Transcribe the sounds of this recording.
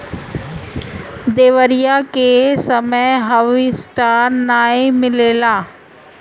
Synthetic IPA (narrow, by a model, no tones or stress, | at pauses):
d̪eːʋəɾijakesəməjɦɐʋisʈaːɾnaːemɪleːlaː